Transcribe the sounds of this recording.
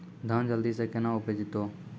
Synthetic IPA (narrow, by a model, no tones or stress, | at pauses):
d̪ʱənd͡ʒəld̪iːseːkenãːʊpeːd͡ʒɪt̪ːoː